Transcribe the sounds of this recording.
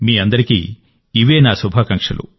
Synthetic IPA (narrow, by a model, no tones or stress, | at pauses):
miːɐnd̪ɐɾikḭ | iʋeːnaːsubʱaːkɐŋkʂɐlṵ